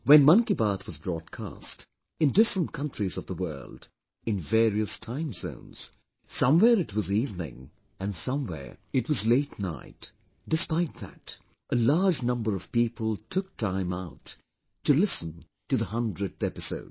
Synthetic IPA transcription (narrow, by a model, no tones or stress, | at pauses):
wɨ̃nmʌ̃ŋkibɑɹθʰwʌzbɹɔd̚kʰæ̰st | ɨ̃ndɪfɹə̃n̚kʰʌ̃ntɹ̥izʌvðəwɜ̰˞lˠd | ɨ̃nvɛɹiɨstʰãɪ̃mzõ̰ʊ̃nz̥ | sʌ̃mwɛɹɨtwʌzivnɪ̰̃ŋ | ɨ̃nsʌ̃mwɛ̰ɹɨtwʌzleɪtna̰ɪt | d̥ɨspaɪt̪̚ðæ̰t | ʔəlɑɹd͡ʒnʌ̃mbə˞ʌv̥pipʰəlˠtʰʊk̚tʰãɪ̃maʊtʰː | ɨlɪsə̃n̩ | tɨðəhʌ̃ndɹɨɾɛpɨsoʊd̥